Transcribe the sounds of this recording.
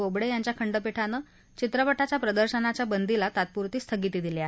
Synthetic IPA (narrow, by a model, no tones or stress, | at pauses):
obɽejaɲt͡ɕjakʰəɳɖəpeʈʰanə | t͡ɕit̪ɾəpəʈʰat͡ɕjapɾəd̪əɾɕənat͡ɕjabənd̪ilat̪at̪̚puɾt̪iːst̪ʰəɡit̪iːd̪iljaɦe